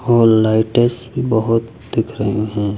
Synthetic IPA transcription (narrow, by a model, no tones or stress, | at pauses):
ɔːlaɪʈesʈbʱibəɦʊt̪ | d̪ɪkʰɾəɦĩɦɛ̃ː